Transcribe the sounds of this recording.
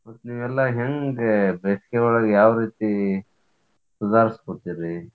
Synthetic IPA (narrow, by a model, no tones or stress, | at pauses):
mɐt̪ːniːʋɛlːaɦeŋɡebeskeɔɭɐɡejaːʋɾiːt̪i | suzaːɾiskoɽt̪iɾi